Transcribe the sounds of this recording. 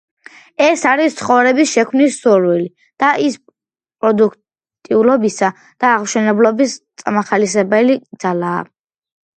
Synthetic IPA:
ɛsaɾist̪sʰχɔvɾɛbisʃɛkʰmnisːuɾwili | d̪̥aʔis | pʼɾɔd̪ukʰ | t̪ʼiulɔbisa | d̪̥aːʁmʃɛnɛblɔbist̪sʼa̰maχalisɛbɛlid̪z̥ala̰ː

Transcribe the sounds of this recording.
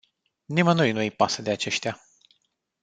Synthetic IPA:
nimənojnuejpasəd̪e̞at͡ʃe̞ʃt̪ea

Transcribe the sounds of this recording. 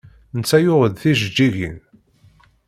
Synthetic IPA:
nət͡sːæjʊʁəðθiʒəd͡ʒːiʝḭn

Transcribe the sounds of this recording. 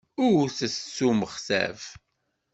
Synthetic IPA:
ʊθəssːuməχsæ̰v

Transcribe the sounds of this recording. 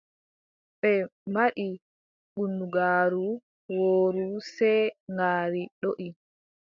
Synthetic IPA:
ɓɛmaɗi | ɓunːuɡaːɾu | woːɾusɛjŋaːɾiɗoʔi

